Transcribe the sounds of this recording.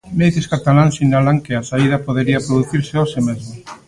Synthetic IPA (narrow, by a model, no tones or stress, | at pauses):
meðeskat̪alaŋsiɲnalaŋkɪasaiðɐpoðeɾiɐpɾoðuθiɾsɪosɪmezmo